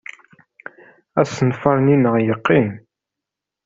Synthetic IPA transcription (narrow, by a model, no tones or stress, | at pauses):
æsənfɑɾninːəʁjəqːin